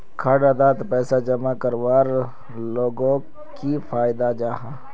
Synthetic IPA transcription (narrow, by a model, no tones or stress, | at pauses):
kʰaːɽad̪aːt̪pɛːsad͡ʒɐmakəɾʋaːɾ | loːɡõ | kifʰaːjd̪ad͡ʒaːɦã